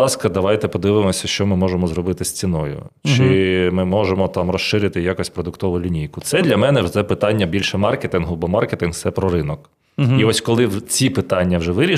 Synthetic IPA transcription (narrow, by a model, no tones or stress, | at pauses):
ɑskɐd̪ɐʋɑjt̪ɛpɔd̪ɪʋɪmɔsʲɐʃt͡ʃɔmɪmɔʒemɔzɾɔbɪt̪ɪsʲt͡sʲinɔjʊ̰t͡ʃɪmɪmɔʒemɔt̪ɑmɾɔʃʃɪɾʲɪt̪ɪjakɔsʲpɾɔd̪ʊkt̪ɔʋʊlʲinʲijkʊt̪sɛd̪lʲɐmɛnɛt̪sɛpɪt̪ɑnʲːɐbʲilʲʃɛmɑrket̪ɪnɦʊbɔmɑrket̪ɪnht̪sɛpɾɔɾɪnɔk | iɔsʲkɔlˠɪt͡sʲipɪt̪ɑnʲːɐwʒɛʋɪɾʲi